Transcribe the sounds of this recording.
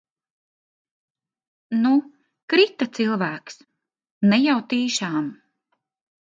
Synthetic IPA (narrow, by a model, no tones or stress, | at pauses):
nu | kɾit̪at̪silˠvæːks | nɛjawt̪iːʃaːm